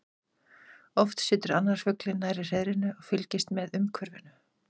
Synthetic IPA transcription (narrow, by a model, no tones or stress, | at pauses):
ɔft̪sɪːt̪ʏɾanːaɾ̥fʏklɪnːajɾɪr̥eðɾɪnːʏɔɣfʏlcɪst̪mɛðʏmkʰvœɾvɪnʏ